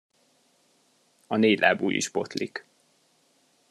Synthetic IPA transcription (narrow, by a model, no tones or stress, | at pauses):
ɒneːlʔa̰ːbṵːjḭʃbot̪lik